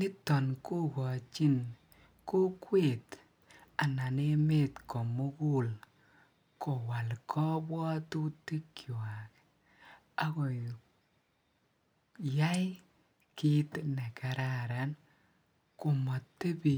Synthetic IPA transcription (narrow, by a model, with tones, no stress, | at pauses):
nɪ˦tɔ˨nko˦ɡɔ˨t͡ʃi˦n | ko˦kwe˦˨t | a˨na˨ne˦me˦˨tkɔ˨mo˦ɡu˦l | kɔ˨wa˨lkʰɔ˦bwɔ˦tu˦ti˦kjo˨a˨k | a˦kɔ˨ | ja˦j | kɪ˦tnɛ˨ka˨ɾa˦ɾa˨n | ko˨mɔ˨tːe˦bi˨